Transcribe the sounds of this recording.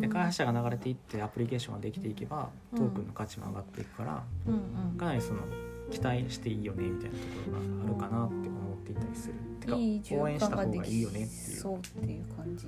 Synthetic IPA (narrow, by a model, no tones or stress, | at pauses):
d̪e̞kaihaɕaɡanaɡaɾe̞t̪e̞it̪ːe̞apɯ̟ɾʲike̞ːɕõ̞ŋ̃ɡad̪e̞kʲi̥t̪eike̞ba̰ | t̪o̞ːkɯ̟nːo̞kat͡ɕimo̰a̰ɡat̪ːe̞ikɯ̟̥kaɾa̰ | kanaɾʲiso̞no̞̰kʲi̥t̪aiɕi̥t̪e̞iːjo̞ne̞mʲit̪ainat̪o̞koɾo̞ɡa̰ːɾɯ̟kanat̪ːe̞omo̞t̪ːe̞it̪ːaɾʲisɨɾɯ̟t̪ːekːaoːẽ̞ɕit̪aoɡaiːjo̞net̪ːe̞̰jɯ̰ot̪ːejɯkʰãɲi